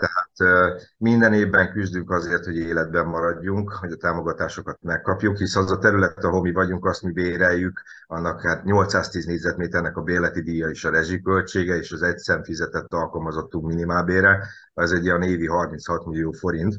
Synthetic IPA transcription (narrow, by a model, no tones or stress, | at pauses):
t̪ɛɦaːt̪mind̪ɛneːvbɛŋkyzd̪yŋkɒzeːrt̪ho̞ɟeːlɛd̪̚bɛmːɒɾɒɟːuŋkhoɟɒt̪aːmo̞ɡɒt̪aːʃo̞kɒt̪mɛkːɒpjukhisɛnɒzɒt̪ɛɾylɛt̪t̪ɒɦo̞mivɒɟuŋkɒst̪mibeːɾɛjːyk | ɒnːɒkhaːt̪ɲo̞lt̪saːst̪iːzneːɟzɛt̪meːt̪ɛrnɛkɒbeːrlɛt̪id̪iːjɒeːʃɒɾɛʒikø̞lt͡ʃeːɡɛeːʃɒzɛcsɛnt̪fizɛt̪ɛt̪ːɒlkɒlmɒzo̞t̪ːuŋkminimaːlbeːɾɛ | ɛzɛɟːijɒneːviɦɒrminshɒt̪milijoːfo̞ɾint̪